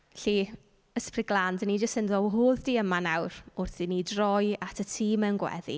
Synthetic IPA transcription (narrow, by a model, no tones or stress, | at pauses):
ɬi | əsprɪɡlˠandənid͡ʒəstənðowɦoːðdiːəmanawrʊrθinidrɔjatʰətʰiːmənɡwɛ̰ðḭ